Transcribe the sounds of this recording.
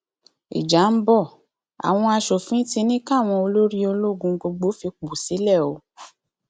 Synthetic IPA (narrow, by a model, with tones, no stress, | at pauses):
ḭ˨d͡ʒa˨˦m̩˦bɔ˦˨ | a̰˨w̃ɔ̃˧a˧ʃo˨fĩ˨˦ti˧nĩ˦ka˦˨w̃ɔ̃˧o˧lo˦ɾi˦o˧lo˦˨ɡũ˧˦ɡ͡bo˧ɡ͡bo˨˦fi˧k͡po˨si˨˦lɛ˦˨o˨˦